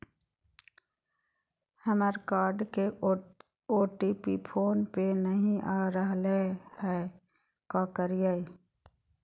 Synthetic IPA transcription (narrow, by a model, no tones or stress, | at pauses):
həməɾkaːɾɖke | oːʈiːpipʰoːnpenəɦĩʔaːɾəɦlehɛ | kaːkəɾijai